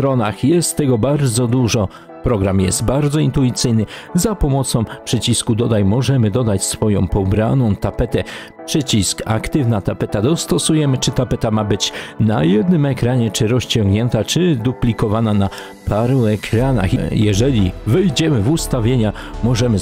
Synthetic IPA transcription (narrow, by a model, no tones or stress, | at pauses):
st̪ɾɔnaxjɛst̪ːɛɡɔbaɾd̪zɔd̪uʐɔ | pɾɔɡɾamjɛst̪baɾd̪zɔint̪uit̪sɘjnɘzapɔmɔt̪sɔ̃w̃pʂɛt͡ɕiskud̪ɔd̪ajmɔʐɛmɘd̪ɔd̪at͡ɕsfɔjɔ̃w̃pɔbɾa̰nɔ̃w̃t̪apɛt̪ɛ | pʂɛt͡ɕiska̰kt̪ɘvnat̪apɛt̪ad̪ɔst̪ɔsujɛmɘt͡ʂɘt̪apɛt̪amabɘt͡ɕna̰jɛd̪nɘmɛkɾaɲɛt͡ʂɘɾɔst͡ɕɔ̃ŋɡɲɛnt̪at͡ʂɘd̪uplʲikɔvanana | pʰaɾuɛkʰɾana̰xjɛʐɛlʲivɛjd͡ʑɛmɘvust̪avʲjeɲamɔʐɛmɘ